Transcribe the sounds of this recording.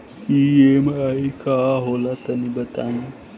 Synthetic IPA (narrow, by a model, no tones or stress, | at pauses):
iemaikaɦolat̪ənibət̪aːĩ